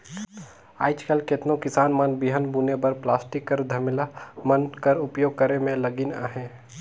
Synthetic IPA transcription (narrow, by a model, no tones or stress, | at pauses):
a̰ːɪt͡ʃkəlket̪nõkɪsaːnmɐnbɪɦənbuːnepəɾplaːsʈɪkːəɾd̪ʱɐmɪlamənkəɾʊpjoːɡ̚kəɾemẽlɐɡinaːɦɛ̃ː